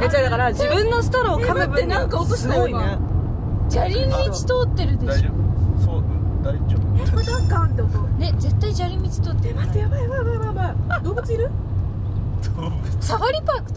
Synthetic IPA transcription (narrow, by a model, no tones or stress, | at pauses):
et͡ɕad̪akaɾad͡ʑibɯ̟̃nːo̞sɨ̥t̪oɾaokʰamat̪ːenãŋkaokoɕinoia | d͡ʑaɾʲĩmit͡ɕi̥t̪ot̪ːe̞ɾɯ̟d̪e̞ɕosod̪aiobnãŋkaand̪aone̞d͡ze̞t̪ːaid͡ʑaɾʲĩmmʲit͡ɕi̥t̪oːt̪ːesaamad̪oːbɯt͡sɨiɾɯ̟ | so | ksaβaɾʲipakɯ̥t̪